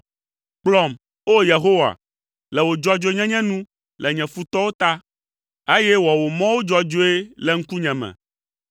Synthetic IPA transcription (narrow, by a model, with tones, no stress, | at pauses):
k͡plɔ˨m | o˦je˨ɦo˦wa̰˨ | lɛ˨wo˨d͡ʒɔ˦d͡ʒo˦ɲɛ̃˦ɲɛ̃˦nũ˦ | lɛ˨ɲɛ̃˨fu˦t̪ɔ˦wo˦t̪a˦ | e˦jɛ˦wɔ˨wo˨mɔ̃˦wo˦d͡ʒɔ˦d͡ʒo˦e˦lɛ˨ŋ̩˦ku˦ɲɛ̃˨mɛ̰̃˨